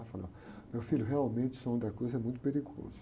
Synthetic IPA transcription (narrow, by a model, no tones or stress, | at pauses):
falɐ̰̃ | mewfiljʊɦeawmẽt͡ʃɪ̥sõd̪ɐkɾojzɛmũj̃t̪̬ʊpeɾiɡo̰zʊ